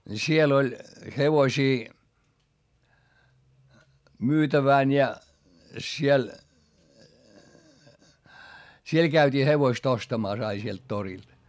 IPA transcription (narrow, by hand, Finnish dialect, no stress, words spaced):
siel olʲ heʋosiː myːtæʋæˑn jɑ siel siel kæytʲiː heʋoist ostɑmɑˑs ɑi sielt torild̥